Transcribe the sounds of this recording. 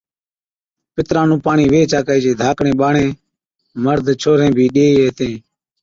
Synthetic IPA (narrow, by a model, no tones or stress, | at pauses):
pɪt̪ɾãːnũːpaːɳiːʋeːt͡ʃaːkaːiːd͡ʒeːd̪ʱaːkɳẽːɓaːɳẽː | məɾd̪ʱt͡ʃʰoːɾẽːbʱiːɗeːiːeːt̪ẽː